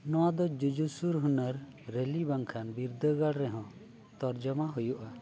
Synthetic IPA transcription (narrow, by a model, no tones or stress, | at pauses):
nɔwad̪ɔd͡ʒud͡ʒusuɾɦunəɾː | elibaŋkʰanbiɾd̪əɡaɽɾɛɦɔ̃ | t̪ɔɾd͡ʒɔmaɦujuʔa